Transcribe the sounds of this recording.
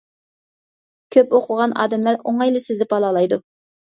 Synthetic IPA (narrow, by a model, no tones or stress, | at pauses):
kʲʰøpoqʰʊʁɑnɑ̰ːd̪ɛmlæɾoŋɑjlˠɨsɪzɪpɑlˠɑlˠɑjd̪u